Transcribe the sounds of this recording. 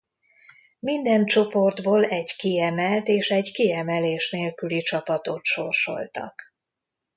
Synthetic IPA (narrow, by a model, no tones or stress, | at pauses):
mind̪ɛnt͡ʃo̞po̞rd̪boːlɛɟkiɛmɛlt̪eːʃɛɟkiɛmɛleːʃneːlkylit͡ʃɒpɒt̪o̞t̪ʃorʃo̞̰lt̪ɒ̰k